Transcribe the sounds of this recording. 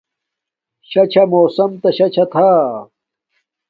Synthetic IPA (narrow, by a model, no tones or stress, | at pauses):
ɕɐt͡ɕʰɐmoːsɐmt̪ɐɕɐt͡ɕʰɐt̪ʰaː